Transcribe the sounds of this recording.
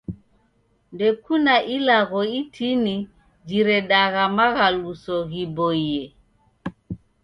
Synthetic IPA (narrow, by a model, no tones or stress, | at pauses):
ndɛkunaʔilaɣɔitʰini | d͡ʒiɾɛɗaɣamaɣalusɔɣibɔiɛ